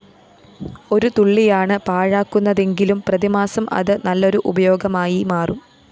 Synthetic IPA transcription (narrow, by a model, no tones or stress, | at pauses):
o̞ɾut̪uɭːijaːɳɨpaːɻaːkːunːɐðe̞ŋɡilumprɐðimaːsɐmʔɐ̰ðɨnɐlːo̞ɾuʔubɐjo̞ːɡɐmaːjimaːrum